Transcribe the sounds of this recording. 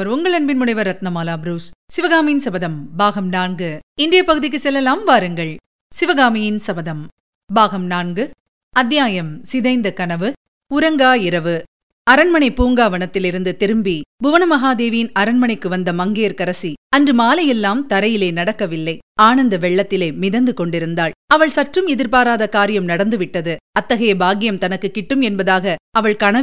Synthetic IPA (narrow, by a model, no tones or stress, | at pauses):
ɐɾʊŋɡɐɭɐnbɪnmʊɳɐɪʋɐɾɐt̪nɐmaːlaːbɾuːssɪʋɐɣaːmɪjɪnsɐbɐðɐmbaːɣɐmnaːɳɡɯɪndɪjɐpɐɣɯðɪk̬ːɯsɛlːɐlaːmʋaːɾɯŋɡɐɭ | sɪʋɐɣaːmɪjɪnsɐbɐðɐm | baːɣɐmnaːɳɡɯ | ɐd̪jaːjɐmsɪðɐɪnd̪ɐkɐnɐʋɯ | ʊɾɐŋɡaːɪɾɐʋɯ | ɐɾɐɳmɐɳɐɪpuːŋɡaːʋɐɳɐt̪ːɪlɪɾɯnd̪ɯt̪ɪɾɯmbibʊʋɐnɯmɐɦaːd̪eːʋijɪnɐɾɐɳmɐɳɐɪkːɯʋɐnd̪ɐmɐŋɡeːɾkɐɾɐsiɐndrɯmaːlɐjɛlːaːmt̪ɐɾɐjɪleːnɐɽɐkːɐʋɪlːɐɪaːnɐnd̪ɐʋɛɭːɐt̪ːɪleːmɪðɐnd̪ɯkɔɳɖɪɾɯnd̪aːɭɐʋɐɭsɐʈrɯmɛðɪɾpaːɾaːðɐkaːɾɪjɐmnɐɽɐnd̪ɯʋɪʈːɐðɯɐt̪ːɐɣɐjɐbaːɡɪjɐmt̪ɐnɐkːɯkːɪʈːɯmɛnbɐðaːɣɐɐʋɐɭkɐɳɐ